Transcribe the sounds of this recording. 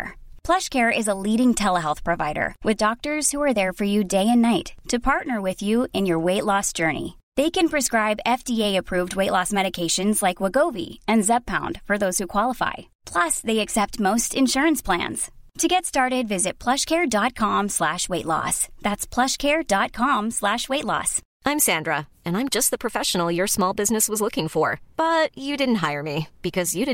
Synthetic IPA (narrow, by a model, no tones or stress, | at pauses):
pʰl̥ʌʃkʰɛɹɪzəliɾɪ̃ŋtʰɛlˠəɦɛlˠθpʰɹ̥ɨvaɪɾə̰˞wʔɨðdɑk̚tə˞z̥huə˞ðə˞fə˞jɨdeɪɨ̃nːaɪtʰɨpʰɑɹtⁿnə˞wɪðjʉɨ̃njə˞weɪʔˡlɔsd̥ʒ̥ɜ˞nḭ | ðeɪkɨ̃npʰɹ̥ɨskɹaɪbɛfdieɪɨpʰɹ̥ʉvd̚weɪʔˡlɔsmɛɾɨkʰeɪʃɨ̃nzlaɪkwəɡoʊvḭɨ̃nzɛb̚pʰãʊ̃nd̥fə˞ðoʊz̥hukʰw̥ɑlˠəfa̰ɪ | pʰl̥ʌsðeɪɨksɛp̚t̚moʊstɨ̃nʃʊɹɨ̃nspʰl̥æ̰̃nz̥tʰɨɡɛtstɑɹɾɨdvɪzɨt̚pʰl̥ʌʃkʰɛɹdɑt̚kʰɑ̃mslæʃweɪʔˡlɔ̰sðætspʰl̥ʌʃkʰɛɹdɑt̚kʰɑ̃mslæʃweɪtˡlɔ̰s | ʔãɪ̃msæ̃ndɹə | ɨ̃nãɪ̃md͡ʒʌst̪̚ðəpʰɹ̥ɨfɛʃn̩l̩ˠjə˞smɔlˠbɪznɨswʌzlʊkɪ̃ŋfə˞b̥ʌt͡ʃɨdɪdⁿn̩t̚ɦaɪə˞mib̥ɨkʰʌzjɨdɪ